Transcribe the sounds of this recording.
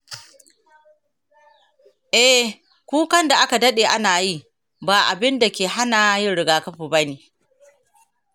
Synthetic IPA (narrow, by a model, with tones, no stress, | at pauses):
ʔɛ˦ | kʷuː˦kɐ˦nda˨ʔa˦ka˨dɐ˦ɗeː˨ʔa˦naː˨ji˦ | baː˨ʔa˨bɪ˦nda˨kʲeː˨ɦa˦naː˨˦jɪ˦nɽɪ˨ɡaː˨kɐ˦ɸiː˨ba˦niː˨